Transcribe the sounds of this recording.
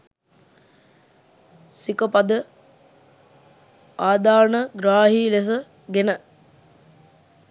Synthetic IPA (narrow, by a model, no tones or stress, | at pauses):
sikəpad̪ə | aːd̪aːnəɡɾaːɦiːles̬ə | ɡenə